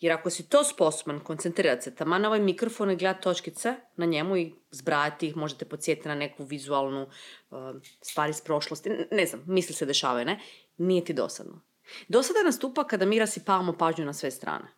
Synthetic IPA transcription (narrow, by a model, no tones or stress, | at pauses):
jeɾakosit̪oːspo̞sobankont̪sent̪ɾiːɾat̪set̪amano̞ʋajmikɾofo̞niɡled̪at̪o̞t͡ʃkit̪senaɲemuizbɾaːjat̪iixmo̞ʒet̪epot̪sje̞t̪it̪nane̞kuʋizualˠnuəst̪ʋaːɾispɾo̞ʃlost̪ineznamːislised̪eʃa̰ːʋajne | nijet̪id̪o̰sa̰d̪no̰ | d̪o̞sad̪anast̪uːpakad̪amiːɾasipaːʋamopaːʒɲunasʋest̪ɾa̰ːne